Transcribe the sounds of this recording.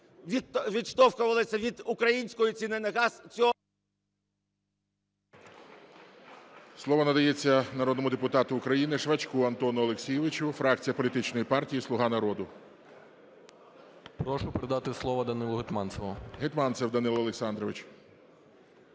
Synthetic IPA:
ʋʲʋʲid̪ʃt̪ɔwkʊʋɐlˠɪsʲɐʋʲid̪ʊkɾɐjinʲsʲkɔjit͡sʲinɪnɐɣɑst͡sʲɔ | slˠɔʋɔnɐd̪ɐjet͡sʲːɐnɐɾɔd̪nɔmʊd̪epʊt̪ɑt̪ʊːkɾɐjinɪʃʋɐt͡ʃkuɐnt̪ɔnʊɔlˠeksʲijɛʋɪt͡ʃʊfɾɑk̚t͡sʲijɐpɔlʲit̪ɪt͡ʃnɔjipɑrtʲijislˠʊɦɑnɐɾɔd̪ʊ | pɾɔʃʊpeɾed̪ɑt̪ɪslˠɔʋɐd̪ɐnɪlˠʊɦɪt̪mɑnt̪sɛʋʊɦɪt̪mɑnt̪sɛwd̪ɐnɪlˠɔlˠeksɑnd̪ɾɔʋɪt͡ʃ

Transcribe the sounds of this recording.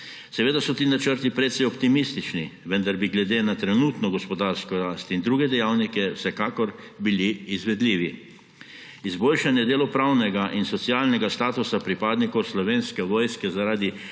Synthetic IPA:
sɛʋeːd̪asɔt̪iːnat͡ʃəɾt̪ipɾɛt̪sɛjɔpt̪imist̪it͡ʃniʋənd̪aɾbiɡlɛd̪eːnat̪ɾɛnuːt̪nɔɡɔspɔd̪aɾskɔɾaːst̪ind̪ɾuːɡɛd̪ɛjawnikɛwsɛkaːkɔɾ | biliːzʋɛd̪liːʋi | izboːlʃanjɛd̪eːlɔpɾawnɛɡaʔinsɔt̪sialnɛɡast̪aːt̪usapɾipaːd̪nikɔwslɔʋeːnskɛʋoːjskɛzaɾaːd̪i

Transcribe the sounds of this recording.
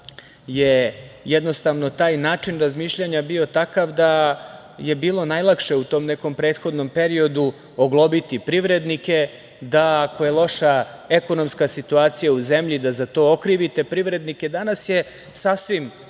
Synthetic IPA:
jejɛd̪no̞st̪aʋno̞t̪aːjnaːt͡ʂinɾazmiːʃʎaɲabio̞t̪akaʋd̪a | je̞biːlˠo̞najlˠakʃe̞ut̪o̞ːmneko̞mpɾe̞ːt̪xo̞d̪no̞mpeɾio̞d̪u | oɡlˠobit̪ipɾiʋɾe̞d̪nike̞ | d̪ako̞jelˠo̞ʃaeko̞no̞mskasit̪uaːt̪sijauzemʎid̪azat̪o̞ːokɾiʋit̪epɾiʋɾe̞d̪nike̞d̪anasje | sasʋim

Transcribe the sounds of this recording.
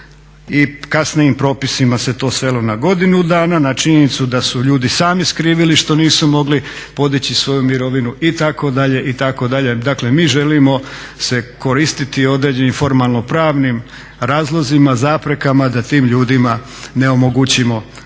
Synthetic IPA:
ikasnijimpɾo̞ːpisimase̞t̪o̞ːsʋe̞lo̞naɡo̞d̪inud̪aːnanat͡ʃiɲenit̪sud̪asuʎuːd̪isaːmiskɾiːʋiliʃt̪o̞niːsumo̞ɡlipo̞d̪it͡ɕisʋo̞jumiɾo̞ʋinuʔit̪ako̞d̪aʎe̞ʔit̪ako̞d̪aʎe̞d̪akle̞miːʒe̞limo̞se̞ko̞ɾist̪it̪io̞d̪ɾed͡ʑe̞nimfo̞ɾmalˠno̞pɾaːʋnim | ɾaːzlˠo̞zimazaːpɾe̞kamad̪at̪iːmʎuːd̪ima | ne̞o̞moɡut͡ɕimo̞

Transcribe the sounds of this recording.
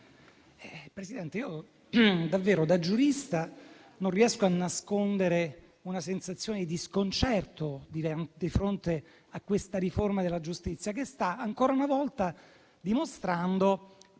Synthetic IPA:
ɛpɾesid̪ɛnt̪eiːo | d̪avːeːɾod̪ad͡ʒuɾist̪a | nonriɛskoanːaskond̪eɾe | unasensat̪sːjoːned̪id̪iskont͡ʃɛrt̪od̪id̪ifɾont̪e | akːwest̪aɾiformad̪elːad͡ʒust̪it̪sːjakest̪aːŋkoːɾaunavɔlt̪a | d̪imost̪ɾand̪o

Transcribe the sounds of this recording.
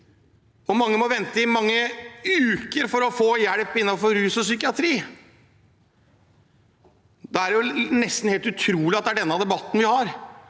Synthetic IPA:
ɔmɑŋːəmɔʋɛnt̪əɪmɑŋːəʉːkəɾfɔɾɔfoːjæɽpɪnːɑfɔɾɾʉːsɔsʏkɪɑt̪ʰɾiː | d̪ɛæɾjʊnɛst̪n̩heːlt̪ʉt̪ʰɾuːlɪɑt̪̚d̪ɛæɖɛnːəɑd̪ɛbɑt̪ːən̩ʋɪhɑɾ

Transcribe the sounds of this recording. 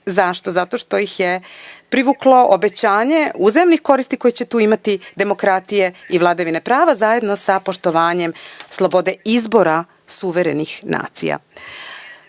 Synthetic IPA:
zaʃt̪o̞zat̪o̞ʃt̪o̞jixjepɾiʋuːklo̞ʔobe̞t͡ɕaːɲe̞uzemnixko̞ɾist̪iko̞jet͡ɕe̞t̪uːimat̪id̪e̞mo̞kɾat̪ije̞iʋlˠad̪aʋinepɾaːʋazaje̞d̪no̞sapo̞ʃt̪o̞ʋaːɲe̞mslˠo̞bo̞d̪e̞izbo̞ɾa | suʋe̞ɾenixnʔa̰ːt̪sḭja̰

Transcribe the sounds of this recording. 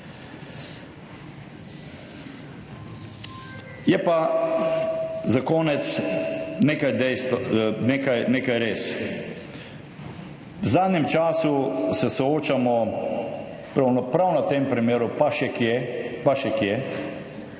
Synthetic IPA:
jɛpa | zakoːnɛt̪sneːkajd̪ɛjst̪neːkajneːkajɾeːs | wzaːd̪nʲɛmt͡ʃaːsusɛsɔoːt͡ʃamɔ | pɾawnɔpɾawnat̪eːmpɾimjeːɾupaʃɛkjɛpaʃɛkjɛ

